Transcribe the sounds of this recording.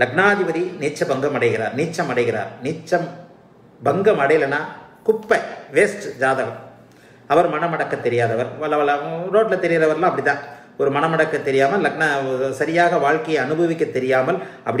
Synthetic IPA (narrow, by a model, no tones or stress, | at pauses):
lɐɡnaːðɪʋɐðiniːt͡ʃːɐbɐŋɡɐmɐɽɐɪɣɪɾa̰ːɾniːt͡ʃːɐmɐɽɐɪɣɪɾa̰ːɾniːt͡ʃːɐm | bɐŋɡɐmɐɽɐjɪlɐnaːkʊpːɐʋeːsʈd͡ʒaːðɐɣɐɾ | ɐʋɐɾmɐnɐmɐɽɐkːɐt̪ːɛɾɪjaːðɐʋɐɾɐɐɐɾoːʈlɐt̪ːɛɾɪjaːðɐʋɐɾlãːɐpːɐɽɪt̪ãː | ɔɾɯmɐnɐmɐɽɐkːɐt̪ːɛɾɪjaːmɐlːɐɡnɐsɐɾɪjaːɣɐʋaːɻkɐjɐɐnɯbɐʋɪkːɐt̪ːɛɾɪjaːmɐlɐpːɐɽ